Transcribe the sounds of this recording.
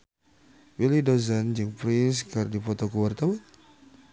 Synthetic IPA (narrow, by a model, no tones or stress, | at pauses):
wilidozand͡ʒɨŋpɾɪns̬kardipɔt̪ɔkuwart̪awan